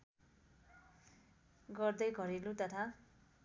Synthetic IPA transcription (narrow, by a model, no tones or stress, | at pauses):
ɡʌrd̪ʌjɡʱʌɾilut̪ʌt̪ʰa